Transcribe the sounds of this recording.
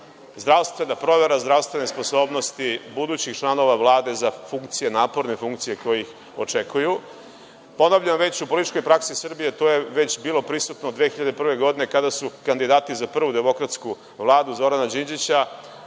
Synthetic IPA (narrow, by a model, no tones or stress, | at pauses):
zd̪ɾawst̪ʋe̞napɾo̞ʋe̞ɾazd̪ɾaʋst̪ʋe̞nesposo̞ːbno̞st̪ibud̪uːt͡ɕixt͡ʃlˠano̞ʋaʋlˠaːd̪e̞zafuŋk̚t̪sije̞naːpo̞ɾnefuŋkt̪sijekojix | ot͡ʂe̞kʰuju | po̞novʎenoʋe̞t͡ɕupo̞lit̪it͡ʃko̞jpɾaksisr̩bije̞t̪oːje̞ʋe̞t͡ɕbiːlo̞pɾisut̪nod̪ʋeːxiʎad̪epr̩ʋe̞ɡo̞d̪ine̞kad̪asukand̪id̪aːt̪izapr̩ʋud̪e̞mo̞kɾat̪sku | ʋlˠaːd̪uzo̞ɾanad͡ʑind͡ʑit͡ɕa